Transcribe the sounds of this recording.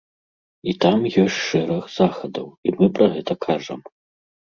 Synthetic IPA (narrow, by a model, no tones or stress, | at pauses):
it̪amjɔsʲʂɛɾɐxzaxɐd̪ɐwimɨpɾɐɣɛt̪ɐkʰaʐɐm